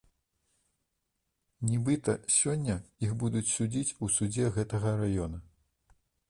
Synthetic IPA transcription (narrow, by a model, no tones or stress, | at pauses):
nʲibɨt̪ɐsʲɔnʲːɐjixbud̪ut͡sʲsʲud͡zʲit͡sʲusud͡zʲɛɣɛt̪ɐɣɐɾajɔnɐ